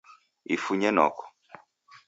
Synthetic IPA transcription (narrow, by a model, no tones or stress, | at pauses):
ifuɲɛnɔ̰kɔ̥